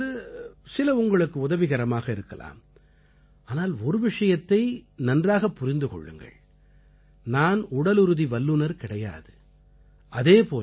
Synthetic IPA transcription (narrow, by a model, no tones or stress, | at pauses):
ɯsɪlɐʊŋɡɐɭɯkːɯʊðɐʋɪɣɐɾɐmaːɣɐɪɾɯkːɐla̰ːm | aːnaːlɔɾɯʋɪʂɐjɐt̪ːɐɪnɐndraːɣɐpːʊɾɪnd̪ɯkɔ̰ɭːɯ̰ŋɡɐ̰ɭ | naːnʊɽɐlɯɾɯðiʋɐlːɯnɐɾkɪɽɐja̰ːðɯ | ʔɐðeːpoːl